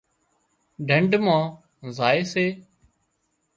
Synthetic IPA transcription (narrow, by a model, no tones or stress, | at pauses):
ɖʱəɳɖmãː | zaːeːseː